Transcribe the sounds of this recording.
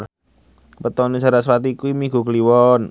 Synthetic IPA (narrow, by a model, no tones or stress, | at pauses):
pət̪ɔnə̥d͡ʒ̥a̤ɾasɾat̪iːkuimiɡ̥ṳkəliwɔn